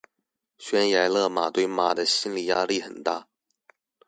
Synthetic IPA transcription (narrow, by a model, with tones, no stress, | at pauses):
ɕɥɛ˧˥nja˧˥ɪlɤ˥˩ma̰˨˩t̪we˥˩ɪma˨˩d̪ə˦ɕi˥nli˨˩ja˥li˥˩xə˨˩nt̪a˥˩